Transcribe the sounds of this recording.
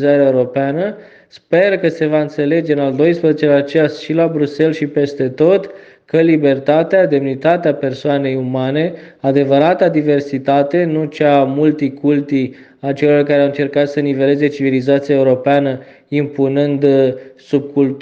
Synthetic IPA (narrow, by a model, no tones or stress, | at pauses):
zat̪eaeuɾo̞peanə | spe̞rkəse̞vaɨnt̪se̞le̞d͡ʒe̞ɨnald̪o̞jspɾəzet͡ʃelat͡ʃeasʃilabɾuse̞lʃipe̞st̪e̞t̪o̞t̪ | kəlibe̞rt̪at̪ead̪e̞mnit̪at̪eape̞rsoane̞jumane̞ad̪e̞vəɾat̪ad̪ive̞rsit̪at̪e̞nut͡ʃamult̪ikult̪i | at͡ʃe̞lo̞rkaɾeawɨnt͡ʃe̞rkat̪sənive̞le̞ze̞t͡ʃivilizat̪siaeuɾo̞peanə | impunɨnd̪sub̚kul